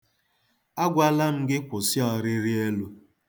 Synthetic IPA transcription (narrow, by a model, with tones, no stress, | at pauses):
a˦ɡʷa˦la˦ŋ̩˦ɡɪ˦kʷʊ˨sɪ˦ɔ˨ɾɪ˦ɾɪ˦e˦lu˦